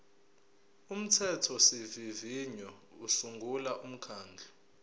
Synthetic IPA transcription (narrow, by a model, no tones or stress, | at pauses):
um̩tʰɛtʰɔseviviɲɔusuŋɡʱulaʔum̩kʰaːnd͡ɮʱɔ